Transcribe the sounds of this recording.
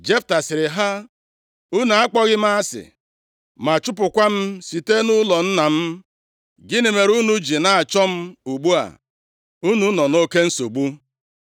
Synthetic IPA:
d͡ʒe˦fta˨sɪ˨ɾɪ˨ɦa˦ | u˦na˨a˦k͡pɔ˦ɣɪ˦m˦a˦a˦sɪ̰˨ | ma˨t͡ʃʊ˦pʊ˨kʷa˦m̩˦si˨te˦nʊ˦lɔ˨n̩˦na˨m̩˦ | ɡɪ˦nɪ˨me˨ɾu˦nu˦d͡ʒi˨na˨a˨t͡ʃɔ˦m̩˦u˨ɡ͡bu˦a̰˨ | u˦nu˦nɔ˨no˦ke˦n̩˦so˨ɡ͡bu˦

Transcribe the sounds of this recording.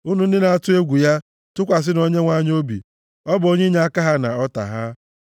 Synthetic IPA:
u˦nu˨n̩˦dɪ˦na˨a˨tʊ˦e˦ɡʷu˨ja˦ | tʊ˦kʷa˨s̬ɪ˦no˦ɲe˦ŋʷa˦ɲ˦o˦bḭ˨ | ɔ˦bo˦ɲe˦ɲa˦a˦ka˦ɦa˦na̰˨ɔ˦ta̰˨ɦa˦

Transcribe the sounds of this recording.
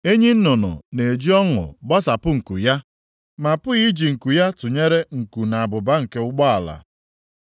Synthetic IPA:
e˦ɲi˦n̩˦nʊ˨nʊ̰˨ne˨d͡ʒi˦ɔ˦ŋʊ̰˨bɔ˦sa˨pʊ˦ŋ̩˨kṵ˨ja˦ | ma˨pʊ˦ɣi˦d͡ʒi˨ŋ̩˨ku˨ja˦tʊ˨ɲe˦ɾe˦ŋ̩˨ku˨na˨a˨bʊ˨ba˦ŋ̩˨ke˦ʊ˦ɡ͡bɔ˦a˨la̰˨

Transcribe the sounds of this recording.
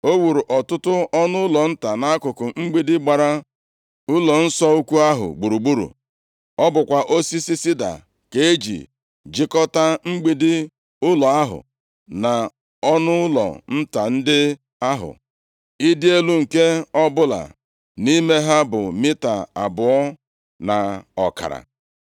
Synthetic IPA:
o˦wu˨ɾu˨ʔɔ˨tʊ˦tʊ˦ɔ˦nʊ˦ʊ˦lɔ˨n̩˦ta˨na˦a˦kʊ˨kʊ˨ŋ͡m̩˦ɡ͡bi˦dɪ˦ɡ͡ba˨ɾa˦ | ʊ˦lɔ˨n̩˦sɔ˦u˦kʷu˦a˦ɦʊ̰˨ɡ͡bu˨ɾu˨ɡ͡bu˦ɾṵ˨ | ɔ˦bʊ˨kʷa˨ʔo˦si˦si˦si˦da̰˨ | ke˨˦e˦d͡ʒḭ˨ | d͡ʒi˦kɔ˦ta˦ŋ͡m̩˦ɡ͡bi˨dɪ˦ | ʊ˦lɔ˨a˦ɦʊ̰˨ | na˨ | ɔ˦nʊ˦lɔ̰˨n̩˦ta˨n̩˦dɪ˦ | a˦ɦʊ̰˨ | i˦dɪ˦e˦lu˦ŋ̩˨ke˦ɔ˦bʊ˦la̰˨ | ni˦me˦ɦa˦bʊ˨mi˦ta˨a̰˨bʊ˨ɔ˦ | na˨ɔ˨ka̰˨ɾa̰˨

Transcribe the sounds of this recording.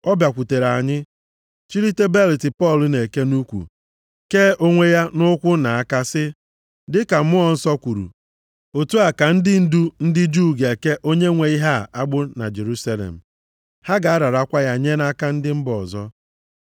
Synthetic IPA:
ɔ˦bja˨kʷu˨te˨ɾa˨ɲɪ˦ | t͡ʃi˦ɾi˦te˦be˦li˨tɪ˨pɔ˦˨lʊ˨ne˨ke˦nu˦kʷṵ˨ | keː˦ʔo˦ŋʷe˦ja˦nʊ˦kʷʊ˦na˨a˦ka˦sɪ˦ | dɪ˦ka˨m̩˦mʊ˦ɔ˨n̩˦sɔ˦kʷu˨ɾṵ˨ | o˨tu˦a˨ka˨n̩˦dɪ˦n̩˦du˦n̩˦dɪ˦d͡ʒuː˦˨ɡe˨ke˦ʔo˦ɲe˦ŋʷe˨˦i˦ɦa˦˨a˦ɡ͡bʊ˦na̰˨d͡ʒe˨ɾu˦sa˦lḛ˨m̩˨ | ha˦ɡa˨a˦ɾa˨ɾa˦kʷa˦ja˦ɲe˦na˦ka˦n̩˦dɪ˦m̩˦bɔ˨zɔ˦

